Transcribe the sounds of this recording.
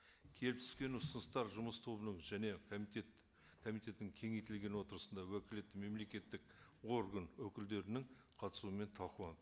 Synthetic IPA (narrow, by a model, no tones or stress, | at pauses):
kʲʰe̞lɪp̚t̪ʰʏ̥skʲe̞nʊsənəst̪ɑɾʒʊməst̪ʰo̞bənəɴʒæne̞et̪ | kʰomijt̪e̞t̪ːɪŋkʲʰe̞ŋejt̪ɪlɡʲe̞nwo̞t̪əɾəsənd̪ɑwɵkʲɪlet̪ːɪme̞mle̞kʲe̞t̪ːɪko̞ɾɡənwɵkʲɪld̪e̞ɾɪnɪŋ | qʰɑt̪ə̥suəme̞nt̪ʰɑquwɑn